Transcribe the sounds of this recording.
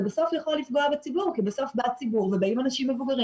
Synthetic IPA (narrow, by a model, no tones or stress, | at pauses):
beso̞fjaχolifɡo̞abet͡sibuʁkibeso̞fbat͡sibuʁvebaimanaʃimːe̞vuɡaʁi